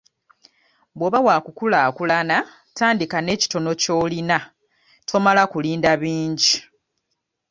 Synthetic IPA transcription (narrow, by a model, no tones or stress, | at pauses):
bwoːβawaːkukulaːkulana | taːndikane̞ːci̥to̞no̞co̞ːlina | tʰo̞malakuliːndaβiːɲɟi